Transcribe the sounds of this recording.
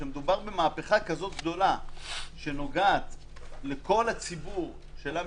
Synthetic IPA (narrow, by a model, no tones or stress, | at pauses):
ʃemed̪ubaʁbemaːpeχakazo̞t̪̚ɡd̪o̞laʃe̞no̞ɡaːt̪ | le̞ko̞lat͡sibuʁ | ʃelam